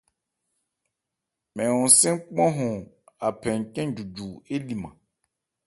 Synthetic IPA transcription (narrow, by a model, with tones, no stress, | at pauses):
mɛ̃˨wɔ̃˨n˨sɛ̃˦ŋ˦k͡pɔ̃˦ɦɔ̃˨ | a˨pʰɛ̃˨ŋ˨kɛ̃˦d͡ʒu˨d͡ʒu˨e˦li˨mã̰˨